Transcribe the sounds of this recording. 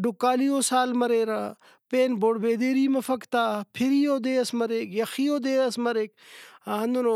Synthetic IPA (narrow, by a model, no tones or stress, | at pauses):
ɖʊkːaːliːoːsaːlmɐɾeːɾa̰ː | peːnboːɽbeːd̪eːɾiːmɐfɐkt̪aːpʰɪɾiːoːd̪eːɐsmɐɾeːkjɐxiːoːd̪eːɐsmɐɾeːk̚aːɐ̃nd̪unoː